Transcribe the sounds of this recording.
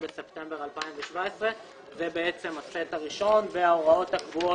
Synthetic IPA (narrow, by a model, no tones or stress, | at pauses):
besept̪embeʁalpaiɱveʃvaesʁe | zebeet͡se̞mat͡setaʁiʃo̞nveaoʁao̞thakvuo